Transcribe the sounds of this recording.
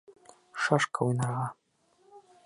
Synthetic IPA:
ʃɑʃkaujnɑɾʁɑ

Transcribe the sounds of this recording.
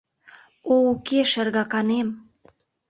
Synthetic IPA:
oukeʃə̆rɣɑkɑnem

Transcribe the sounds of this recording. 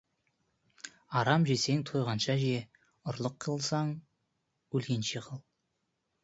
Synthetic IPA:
ɑɾɑmʒese̞ŋt̪ʰojʁɑnʃɑʒije | ʊɾlˠəqʰːəlˠsɑɴ | ɵlkʲenʃeqʰəlˠ

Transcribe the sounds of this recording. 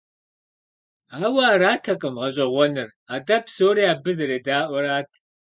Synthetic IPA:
aːwɐːraːtʰɐqʼɨmʁɐɕ̬ʼɐʁʷɔnɨr | aːdɐpsoːɾiːaːbɨzɐɾeːdaːʔʷɔɾaːtʰ

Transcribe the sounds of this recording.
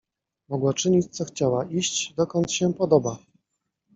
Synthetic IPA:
mɔɡwat͡ʂɘɲit͡ɕt̪sɔxt͡ɕawaʔiɕt͡ɕd̪ɔkɔnt̪ɕɛpɔd̪ɔba

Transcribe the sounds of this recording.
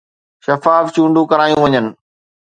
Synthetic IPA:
ʃɐfaːft͡ɕũːɳɖũkɐɾaːjũʋɐɲənɪ̆

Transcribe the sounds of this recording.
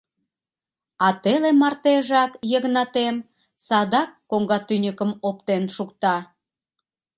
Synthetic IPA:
ɑt̪elemɑrt̪eʒɑkjəɣnɑt̪em | sɑd̪ɑkːoŋɡɑt̪ynʲəkəmop̚t̪enʃukt̪ɑ

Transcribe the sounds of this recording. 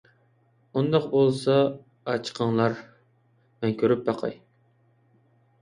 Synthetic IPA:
und̪ɑqbolˠsɑː | t͡ʃʰqʰəŋlˠɑɾ | mɛnkʲʰøɾyp̚bɑqʰɑ̰j

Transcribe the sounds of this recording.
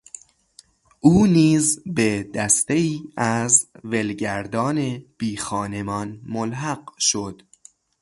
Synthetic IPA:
ʔuːniːzbed̪æst̪e̞iːæzvelɟæɾd̪ɒːneb̥iːxɒːnemɒnmolɦæɡʃod̪̥

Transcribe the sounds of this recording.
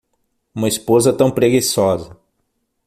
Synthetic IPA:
ũmɐispozɐt̪ɐ̃w̃pɾeɡisɔzɐ

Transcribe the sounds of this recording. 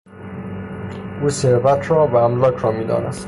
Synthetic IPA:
ʔuːseɾvæt̪ʰɾɒːbææmlɒːkʰɾɒːmiːd̪ɒ̰ːnḛst̪

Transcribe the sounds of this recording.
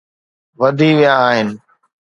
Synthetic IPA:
ʋɐd̪ʱiːʋijãːɦɪnɪ̆

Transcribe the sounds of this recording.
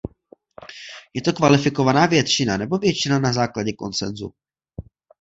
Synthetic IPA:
jɛt̪o̞kvalɪfɪko̞vanaːvjɛt̪t͡ʃɪnanɛbo̞vjɛt͡ʃɪnanazaːklaɟɛko̞̰nt͡sɛnzṵ

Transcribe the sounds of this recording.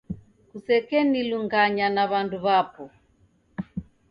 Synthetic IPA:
kusɛkɛniluŋɡaɲanaβanduβapɔ

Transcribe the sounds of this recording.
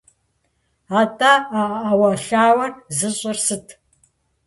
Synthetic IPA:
aːtʼaaawɐɬaːwɐrzɨɕʼɐrsɨtʰ

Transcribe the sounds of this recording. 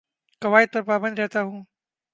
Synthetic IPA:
kɐʋaːɪd̪̚pɐɾpaːbənd̪ɾɛɦt̪aɦũː

